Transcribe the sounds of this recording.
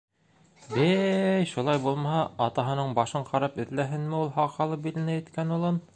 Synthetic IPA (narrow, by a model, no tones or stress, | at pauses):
bɘjʃulˠɑjbulˠmɑhɑɑt̪ɑɦɤ̆nɤɴbɑʃɤɴqʰɑɾɑpɘ̆ðlæɦɘnmɘulˠhɑqhɑlˠɤp̚bilɘ̆næjɘ̆t̪kænulˠɤn